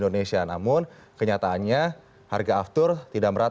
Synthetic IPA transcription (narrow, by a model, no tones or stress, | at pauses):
ndonesianamʊnkəɲat̪aːnɲa | ha̰rɡaːft̪ʊrt̪idaʔməɾat